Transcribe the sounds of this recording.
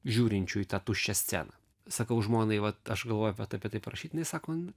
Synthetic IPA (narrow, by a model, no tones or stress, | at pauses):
ʒʲuːɾʲɪnʲt͡ʃʲʊɪt̪ɑt̪uʃʲt͡ʃʲɛsʲt͡sʲæ̰ːnɐ | sɐkɐʊʒmoːnɐɪʋɐt̪ɐʃɡɐlˠʋoːjʊpʲɐt̪ɐpʲɛt̪ɐɪpɾɐʃʲiːt̪ʲnɐɪsɑːkmɐn